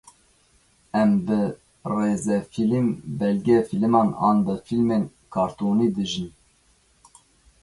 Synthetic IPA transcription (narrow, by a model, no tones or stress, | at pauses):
ɛmbɨ | reːzɛfilimbɛlɡʲɛfilmɑːnɑ̰ːnbɨfilmeːn | kʰɑːɾt̪oːniːd̪ɨʒɨn